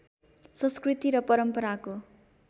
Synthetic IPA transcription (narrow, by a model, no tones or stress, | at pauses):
sʌ̃nskrit̪iɾʌpʌɾʌmpʌɾako